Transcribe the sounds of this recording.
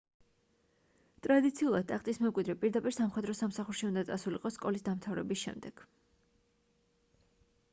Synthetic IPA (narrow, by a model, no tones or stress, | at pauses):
t̪ʼɾad̪it̪sʰiulˠad̪̚t̪ʼakʼt̪ʼismɛmkʼwid̪ɾɛpʼiɾd̪apʼiɾsamχwɛd̪ɾɔsamsaχuɾʃiund̪at̪sʼasuliqʼɔsːkʼɔlisd̪amt̪ʰavɾɛ̰bisʃɛ̰md̪ɛɡ̥